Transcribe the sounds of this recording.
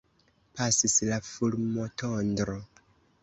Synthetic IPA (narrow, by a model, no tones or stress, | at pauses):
pasislafuɾmotondɾo